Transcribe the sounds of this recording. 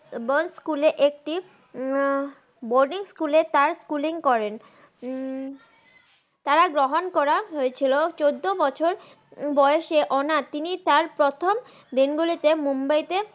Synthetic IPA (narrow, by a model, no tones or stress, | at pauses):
bonskuleʔek̚ʈi | boɾɖiŋskulet̪aɾskuliŋkɔɾen | t̪aɾaɡɾoɦonkɔɾaɦoet͡ɕʰilot͡ɕod̪ːobɔt͡ɕʰoɾ | bɔeeʃeʔɔnat̪init̪aɾpɾot̪ʰom | d̪inɡulit̪emumbajt̪e